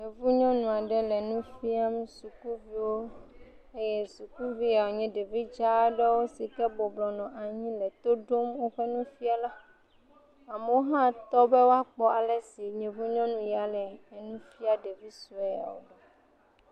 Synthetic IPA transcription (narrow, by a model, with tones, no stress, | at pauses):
ɲẽ˨vu˦ɲɔ̃˦nũ˨a˨ɖɛ˦lɛ˨nũ˦fi˦a˦mɛ̃˦su˨ku˦vi˦wo˦ | e˦je˦su˨ku˦vi˦a˨wo˨ɲɛ̃˦ɖe˨vi˦d͡ʒa˦ɖɛ˦wo˦si˨kɛ˦bɔ˨blɔ˨nɔ̃˨ʔa˨ɲĩ˦lɛ˨t̪o˦ɖo˦mwo˦ɸɛ˦nũ˦fi˦a˦la˦ | a˨mɛ˦wo˦ɦã˦t̪ɔ˦bɛ˦wo˦a˦k͡pɔ˦a˨lɛ˨si˨ɲɛ̃˨vu˦ɲɔ̃˦nũ˦ja˨lɛ˨nũ˦fi˦a˦ɖe˨vi˦su˨ɛ˨a̰˨wo̰˨ɖɛ˨